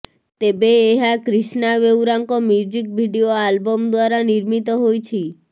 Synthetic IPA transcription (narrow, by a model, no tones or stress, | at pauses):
t̪ebeːɦakɾiʃnaʋewɾaŋkomjud͡ʒik̚bʱiɖioalbomd̪waɾaniɾmit̪ɔɦojt͡ʃʰi